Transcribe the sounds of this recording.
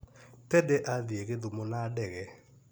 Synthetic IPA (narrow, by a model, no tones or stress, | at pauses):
tɛdɛʔaðieɣeðumonadɛɣɛ